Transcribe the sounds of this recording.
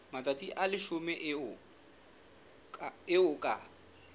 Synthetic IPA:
mat͡sʼat͡sʼiʔalɪʃʊmɛʔʊ | ɪʊkʼa

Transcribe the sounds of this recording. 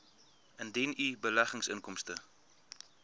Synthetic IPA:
əndɛnibəlæχəŋsəŋkɔmstə

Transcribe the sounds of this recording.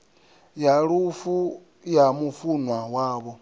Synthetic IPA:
jalufu | jamufunwawaːβo

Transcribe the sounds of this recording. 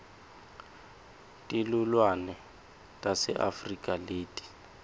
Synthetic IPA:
tʼilulwanɛ | tʼasɛ̰ʔa̰frikʼaleːtʼi̥

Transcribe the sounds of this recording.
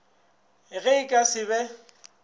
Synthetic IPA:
ɪɣɛɪkʼasɪβɛ

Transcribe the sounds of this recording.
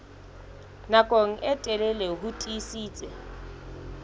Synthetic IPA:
nakʼoŋ̩ʔɛtʼɛlɛleɦutʼisiːt͡sʼɛ

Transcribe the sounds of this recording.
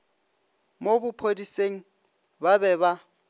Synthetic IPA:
mobʊpʰodiseŋ̩ | babɛβa

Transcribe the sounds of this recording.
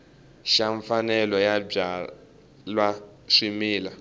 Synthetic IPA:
ʃaɱfanɛlɔjab͡ʐa | lwa | ʂimiːla

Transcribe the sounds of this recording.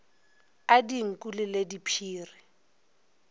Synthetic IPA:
adiŋ̩kʼulɪledipʰiːrɪ

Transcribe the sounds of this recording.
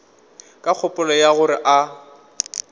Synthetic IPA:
kʼak͡xʰɔpʼʊlɔjaɣʊɾɪʔa

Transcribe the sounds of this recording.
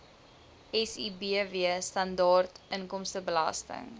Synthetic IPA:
ʔɛsibiəviəstɐndɑːrtʔəŋkɔmstəbəlɐ̰stə̰ŋ

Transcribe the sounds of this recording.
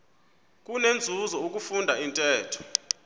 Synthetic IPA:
k̬ʼunend͡zʱuzɔuk̬ʼufundʱaintʼɛːtʰɔ̥

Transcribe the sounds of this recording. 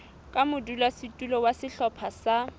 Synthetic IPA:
kʼamʊdulasitʼulɔwasɪɬɔpʰasa

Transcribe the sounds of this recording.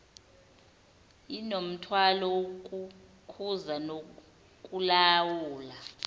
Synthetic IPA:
inom̩tʰwalɔwok̬ʼu | kʰuzano | k̬ʼulawuːla

